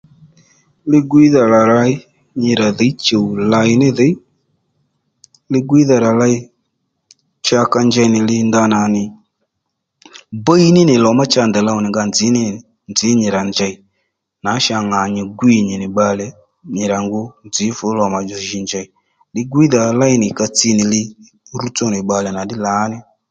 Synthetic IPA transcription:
lɪ˦ɡwi˦ða˨la˨la˧i˦ | ɲɪ˧ɾa˨ðə˨˦t͡ʃe˨wla˧ɪ˦nɪ˦ðə˨˦ | lɪ˦ɡʷi˦ða˨ɾa˨la˧i˦ | t͡ʃa˧ka˧nd͡ʒɛ˧nɪ˨lɪ˧nda˧na˨nɪ˨ | bə˦i˦nɪ˦nɪ˨lɔ˨˦ma˦t͡ʃa˧˨nd̪ɛ˨la˧ʊ˨nɪ˨ŋɡa˧nd͡zɪ˨˦nɪ˦˨ | nd͡zɪ˨˦ɲɪ˨ɾa˨nd͡ʒa˧i˨ | na˨˦ʃa˧˨ŋa˨ɲɪ˨ɡwi˨ɲɪ˨nɪ˨ɓa˧lɛ˨ | ɲɪ˨ɾa˨ŋɡʊ˧˦nd͡zɪ˨˦fʊ˨˦lɔ˨ma˨d͡ʒɔ˨ʒi˨˧nd͡ʒa˨i˨ | lɪ˦ɡwi˦ða˨la˦i˦nɪ˨ka˧t͡si˦˧˦nɪ˨lɪ˧ | ɾu˦t͡sɔ˦nɪ˨ɓa˨lɛ˨na˨ɗɪ˦la˨˦nɪ˦

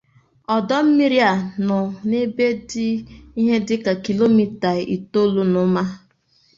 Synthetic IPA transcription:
ɔ˨dɔ˦m̩˦mi˦ɾja˨nʊ˨ne˦be˦dɪ˦i˦ɦe˦dɪ˦ka˨ki˨lo˦mi˦ta˨ʔḭ˨to˦lu˦nʊ˨˦ma˦

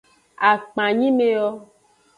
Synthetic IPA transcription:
a˨k͡pã˨ɲĩ˦me˨ɔ˦

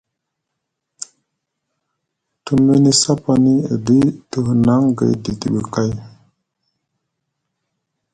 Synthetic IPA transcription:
t̪ume˦nisa˦pani˦d̪i˦t̪u˨hna˦ŋɡə̰˨jd̪i˨t̪i˨bu˨ka˦j

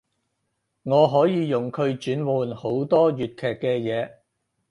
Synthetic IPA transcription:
ŋɔː˨˧ɦɔː˨˥jiː˨˧jʊ˨˩ŋkʰɵ˨˧ɥt͡ʃyː˨˥nwuː˨˧nho˨˥wt̪ɔː˥jyː˨t̚kʰɛː˨kːɛː˧jɛː˨˧

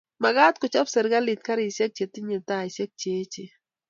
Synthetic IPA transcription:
ma˨ɡa˦t̪̚kʊ˨t͡ʃɔ˦psɪ˨ɾɡa˦lɪ˨t̪̚ka˦ɾɪ˨sɛ˦k̚t͡ʃe˨tɪ˦ɲɪ˨ta˦ɪ˨sɛ˦k̚t͡ʃe˨˦t͡ʃe˨

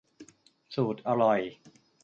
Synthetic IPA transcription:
suː˨˩t̪̚ʔa˧ɾɔ˨˩j

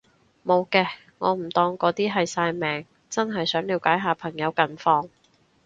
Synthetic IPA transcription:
mo˨˧wkɛː˧ | ŋɔː˨˧m̩˨˩t̪ɔː˧ŋkɔː˨˥t̪iː˥ɦɐ˨jsaː˧jmɛː˨˩ŋ | t͡sɐ˥nɦɐ˨jsœː˨˥ŋliː˨˧wkaː˨˥jɦaː˨˧pʰɐ˨˩ŋjɐ˨˧wkɐ˨nfɔː˧ŋ

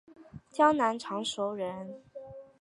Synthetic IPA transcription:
t͡ɕjɑ˥ŋna˧˥nʈ͡ʂʰɑ˧˥ŋʂo˧˥ʊɻə˧˥n

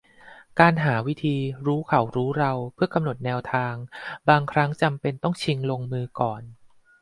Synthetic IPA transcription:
kaː˧nɦaː˩˦wi˦˥t̪ʰiː˧ɾuː˦˥kʰa˨˩˦wɾuː˦˥ɾa˧wpʰɯ˥˩ɐka˧mno˨˩t̪̚nɛː˧wt̪ʰaː˧ŋbaː˧ŋkʰɾa˦˥ŋt͡ɕa˧mpe˧nt̪ɔ˥˩ŋt͡ɕʰi˧ŋlo˧ŋmɯː˧kɔː˨˩n

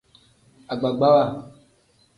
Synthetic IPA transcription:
a˨ɡ͡ba˨ɡ͡ba˦wa˦˨

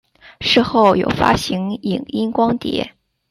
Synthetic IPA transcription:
ʂɻ̩˥˧xo˥˩ʊjo̰˨˩ʊfa̰˥ɕi˧˥ŋi˨˩ŋi˥nkwɑ˥ŋt̪jɛ̰˧˥

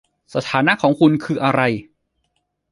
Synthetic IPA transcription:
sa˧t̪ʰaː˩˦na˦˥kʰɔː˩˦ŋkʰu˧nkʰɯː˧ʔa˧ɾa˧j

